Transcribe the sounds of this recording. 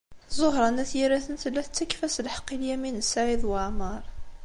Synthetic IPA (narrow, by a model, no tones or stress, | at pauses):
zˤoɦɾˤɑnæθjiɾæθənt̪əlːæθt͡sːækfæslħə̥qːiljæminəsːaʕiðˤwɑʕməɾˤ